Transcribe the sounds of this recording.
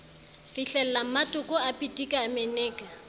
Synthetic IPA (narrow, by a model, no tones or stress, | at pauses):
kɪɬɛl̩lam̩matʼʊkʼʊapʼitʼikʼaːmenɛːkʼa